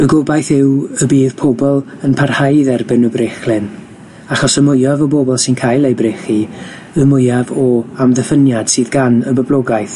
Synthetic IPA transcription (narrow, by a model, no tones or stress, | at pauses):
əɡobajθɪwəbiːðpʰɔbɔlˠənpʰarhajðɛrbɪnəbreχlɪn | aχɔsəmʊjavəbobɔlˠsɪnkʰajlˠejbreχi | əmʊjavɔamðəfənjad̥sɨːðɡanəbəblˠɔɡajθ